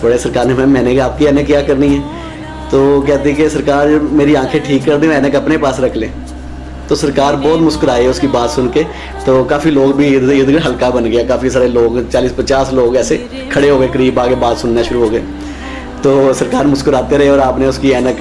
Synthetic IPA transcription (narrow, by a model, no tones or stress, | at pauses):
bəɽesəɾkaːɾnemɛ̃ːmɛ̃ːnekaːp̚kiɛːnəkjaːkəɾniɦɛː | t̪oːk̬ɛːt̪ikesəɾkaːɾmeːɾiãːkʰeʈʰiːkːəɾd̪ẽɛːnəkɐpnepaːsɾɐkʰlẽː | t̪oːsəɾkaːɾbɔːt̪mʊskəɾaːeɦɛʊskibaːt̪sʊnke | t̪oːkaːfiloːɡbʱiɪd̪ɡɦəlkabənɡɪjaːkaːfisaːɾeloːɡt͡ʃaːliːspət͡ʃaːsloːɡɛːse | kʰɐɽeɦoːɡəeːkəɾiːbaːɡebaːt̪sʊnːaʃʊɾuɦoːɡeː | t̪oːsəɾkaːɾmʊskəɾaːt̪eɾɐɦeɔːɾaːpneʊskiɛːnək